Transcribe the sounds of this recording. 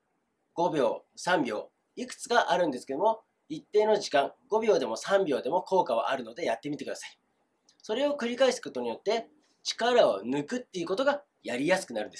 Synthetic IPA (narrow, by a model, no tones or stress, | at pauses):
ɡ̥o̞bʲo̞̰ːsãmbʲo̞̰ː | ikɯ̥t͡sɨ̥kaʔaɾɯ̟̃nd̪esɨ̥ke̞d̪omo̞ | it̪ːe̞ːno̞ʑikãŋɡ̥o̞bʲo̞ːd̪e̞mo̞sãmbʲo̞ːd̪e̞mo̞ko̞ːkaβ̞a̰ʔaɾɯ̟no̞d̪e̞jat̪ːe̞mʲit̪e̞kd̪asai̥ | so̞ɾe̞o̞kɯ̟ɾʲikaisɨ̥ko̞t̪o̞ɲ̟ijo̞t̪ːe̞ | t͡ɕi̥kaɾao̞nɯ̟kɯ̟t̪ːe̞iɯ̟kot̪o̞ɡa | jaɾʲijasɨ̥kɯ̟naɾɯ̟nd̪esɨ̥